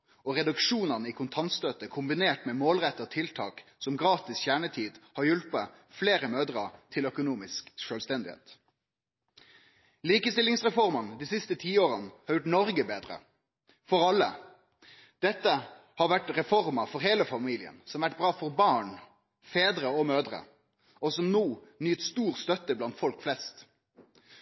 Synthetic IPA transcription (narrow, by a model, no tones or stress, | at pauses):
ɔʁɛd̪ʉkʂuːnənəikʰʊnt̪ʰɑnt̪st̪øːt̪əkʰʊmbɪneːʈmɛːmoːlʁɛt̪ːəɔt̪ʰɪlt̪ʰɑ̰ːksɔmɡʁɑːt̪ɪsçæːɳət̪ʰiːd̪hɑɾjʉlpə | fleːɾəmøːd̪ʁɑ̰t̪ʰɪlœkʊnuːmɪskʃœːlst̪ɛnd̪ɪhḛːt̪ | liːkəst̪ɪlɪŋsʁɛfɔʁmɑnəd̪iːsɪst̪ət̪ʰiːoːɾənəhɑɾjʊʈnɔɾɡəbeːd̪ʁə̰ | fɔɾɑlːə̰ | d̪̥ɛt̪ːə | hɑɾʋæʈɾɛfɔʁməfɔɾɦeːləfɑmiːlɪə̰nsɔmʋæʈ̚ːbɾɑːfɔɾbɑːɳ | feːd̪ɾəɔmøːd̪ʁə̰ | ɔsɔmnoːnyːt̪st̪uːʁst̪œt̪əblɑnt̪fɔlkflɛst̪